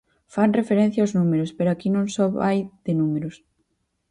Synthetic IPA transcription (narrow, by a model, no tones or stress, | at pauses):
fanrefeɾẽn̟θjaʊznumeɾʊspeɾoakinõŋsɔβajðɪnumeɾʊs